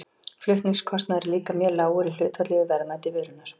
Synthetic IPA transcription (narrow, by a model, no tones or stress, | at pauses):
flʏht̪niŋskʰɔst̪naðɛɾliːkamjœːɾlaːwɣʏɾil̥ʏːt̪ʰat̪lɪðɪvɛɾnat̪ɪvʏːɾʏnaɾ̥